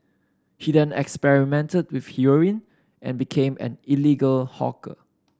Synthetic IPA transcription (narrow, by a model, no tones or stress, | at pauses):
hidɛ̃nɛ̰kspɛɹimɛ̃ntəd̚wɪfhjuɹĩn | ʔɛ̰̃nbikʰẽmɛ̰̃niliɡəlhɔ̰kə̰